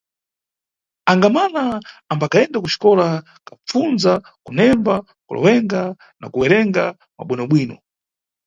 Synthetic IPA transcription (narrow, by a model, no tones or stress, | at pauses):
aŋɡamanaːmbakaɛndakuʃi̥kɔla | kap͡funza | kunɛmba | kṵlɔ̰wɛŋɡa | na̰kuwɛɾɛŋɡa | ma̰ɓwinɔɓwiːnɔ